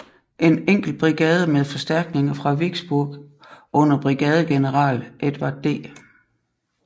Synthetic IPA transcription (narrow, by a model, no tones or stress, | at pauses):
ʔe̝neŋ̰ɡ̥l̩b̥ʁiɡ̥ɛːð̞ˠəmeðˠfɒ̽sd̥æɐɡ̥ne̝ŋɐfʁɑ̈ʋiɡ̥sb̥uɐ̰ɡ̥ | ʔɔ̽n̰ɐb̥ʁiɡ̥ɛːð̞ˠəɡ̥e̝nəʁɑ̰̈ːlʔed̥ʋɑ̈d̥e̝̰ː